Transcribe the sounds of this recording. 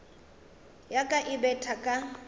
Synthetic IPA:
jakʼaʔɪbɛtʰakʼa

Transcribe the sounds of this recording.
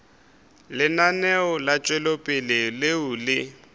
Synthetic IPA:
lɪnanɛʊlat͡ʃʼwɛlopʼɪlɪlɪʊlɪ

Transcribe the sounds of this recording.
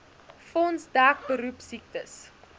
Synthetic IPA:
fɔnsdæk̚bəɾupsik̚təs

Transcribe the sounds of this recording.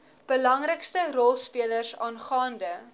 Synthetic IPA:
b̥əlɐŋrəkstərɔlˠspiələrsɑːnχɑːndə

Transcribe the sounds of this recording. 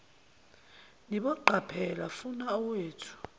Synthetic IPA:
niɓɔǃʱapʰɛlafunaɔweːtʰu̥

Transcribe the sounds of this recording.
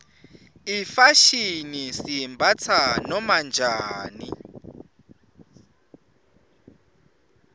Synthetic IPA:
ifaʃinisimbʱat͡sʰanɔmand͡ʒʱaːnḭ

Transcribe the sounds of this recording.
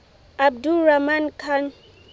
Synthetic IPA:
ab̚duɾamankʰan

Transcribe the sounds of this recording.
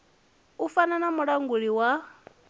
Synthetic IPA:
ufananamuɺaŋɡuɺiwa

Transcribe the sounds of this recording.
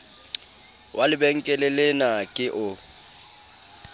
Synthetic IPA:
wʔalɪbɛŋ̩kʼɛlɪlɪnakʼɪʔʊ

